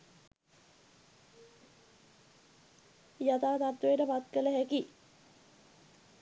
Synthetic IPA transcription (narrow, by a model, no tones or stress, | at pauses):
jat̪aːt̪at̪wejəʈəpat̪kələɦæki